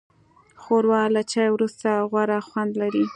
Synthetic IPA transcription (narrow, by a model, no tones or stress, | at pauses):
xoɾwɑlat͡ʃɑjwɾust̪aɣwaɾaxwand̪laɾi